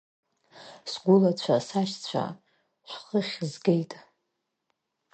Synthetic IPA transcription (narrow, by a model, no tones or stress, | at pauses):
sɡʷʊlat͡ɕʷʰasaʃt͡sʷʰa̰ | ʃʷχəχʲzɡejtʼ